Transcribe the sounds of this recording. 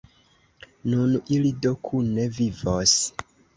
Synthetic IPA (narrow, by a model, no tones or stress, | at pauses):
nunilidokʰunevivos